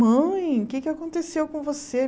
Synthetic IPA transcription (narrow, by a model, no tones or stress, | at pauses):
ɐ̃j̃ʊkɪkɪakõnt̪esewkõvose